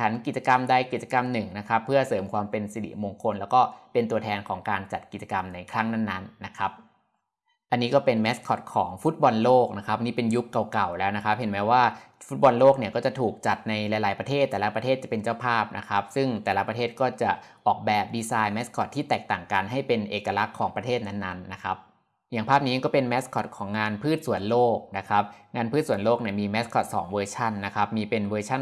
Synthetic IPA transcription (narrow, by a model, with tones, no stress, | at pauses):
t͡ɕʰa˩˦nki˨˩t̪̚t͡ɕa˧ka˧mdaː˥˩jki˨˩t̪̚t͡ɕa˧ka˧mnɯ˨˩ŋna˦˥kʰa˦˥pʰːɯ˥˩ɐsɤː˨˩˦mkʰwaː˧mpe˧nsi˧˩dḭ˨˩mo˧ŋkʰo˧nlɛː˦˥wkɔː˥˩pe˧nt̪u˧ət̪ʰɛː˧nkʰɔː˩˦ŋkaː˧nt͡ɕa˨˩t̪̚ki˨˩t̪̚t͡ɕa˧ka˧mna˧jkʰɾa˦˥ŋna˥˩nːa˦˥nːa˦˥kʰa˦˥p̚ | ʔa˧nːiː˦˥kɔː˥˩pe˧nmɛː˦˥skʰɔ˨˩t̪̚kʰɔː˩˦ŋfu˦˥t̪̚bɔ˧nloː˥˩k̚na˦˥kʰa˦˥p̚niː˥˩pe˧nju˦˥kːa˨˩wka˨˩wlɛː˦˥wna˦˥kʰa˦˥p̚ɦe˨˩˦nmɛː˦˥waː˥˩fu˦˥t̪̚bɔ˧nloː˥˩k̚ni˥˩ɐkɔː˥˩t͡ɕa˨˩t̪ʰuː˨˩k̚t͡ɕa˨˩t̪̚na˧jla˧jlaː˩˦jpɾt̪ʰeː˥˩t̪ːɛː˨˩la˦˥pɾa˧tʰeː˥˩t͡ɕa˨˩pe˧nt͡ɕaː˥˩wpʰaː˥˩p̚nʔa̰˦˥kʰa˦˥p̚sɯ˥˩ŋt̪ɛː˨˩la˦pɾa˧t̪ʰeː˥˩t̪̚kɔː˥˩t͡ɕa˨˩ʔɔː˨˩k̚bɛː˨˩p̚diː˧saː˧jmɛ˦˥skʰɔ˨˩t̪ʰːiː˥˩t̪ɛː˨˩k̚t̪aː˨˩ŋkaː˧nɦa˥˩jpe˧nʔeː˨˩kːa˧la˦˥kʰːɔː˩˦ŋpɾa˧t̪ʰeː˥˩t̪̚na˦˥nːa˦˥nːa˦˥kʰa˦˥p̚ | jaː˨˩ŋpʰaː˥˩p̚niː˦˥kɔː˥˩pe˧nmɛ˦˥skʰɔ˨˩t̪̚kʰɔː˩˦ŋːŋaː˧npʰɯː˥˩t̪̚su˩˦ənloː˥˩k̚na˦˥kʰa˦˥p̚ŋaː˧npʰɯː˥˩t̪̚su˩˦loː˥˩k̚ni˥˩əmiː˧mɛ˦˥skʰɔ˨˩t̪̚sɔː˩˦ŋwɤː˧t͡ɕʰa˥˩nːa˦˥kʰa˦˥p̚miː˧pe˧nwɤː˧t͡ɕʰa˥˩n